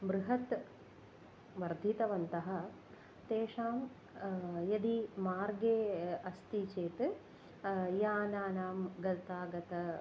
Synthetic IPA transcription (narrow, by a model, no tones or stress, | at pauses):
bɾɨɦɐt̪ | ʋɐɾd̪ʱit̪ɐʋɐnt̪ɐɦɐ̆ | t̪eːʂaːm | jɐd̪imaːɾɡeːɐst̪it͡ʃeːt̪ɨ | jaːnaːnaːmɡɐt̪aːɡɐt̪ɐ